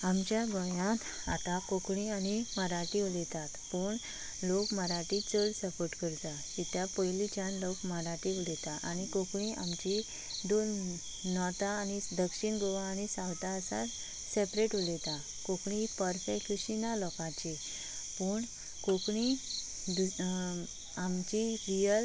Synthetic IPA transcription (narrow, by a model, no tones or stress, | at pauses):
amt͡ɕjaɡɔjãn | a̰t̪akokɳianiməɾaʈiʋulɛt̪at̪pəːɳ | lokməɾaʈit͡səɽsəpoɾʈkəɾt̪a | it̪japəjlit͡ɕanlɔkməɾaʈiʋulɛt̪aʔañikokɳiʔa̰mt͡ɕi | ɖol | nɔt̪aːnid̪əkʂiɳɡoʋaːñisawt̪aəsa̰ɾ | sepɾeʈulet̪a | kokɳipəɾsekʰiɕinalɔkãt͡ɕi | pəɳ | kokɳi | d̪u | amt͡ɕiɾijəl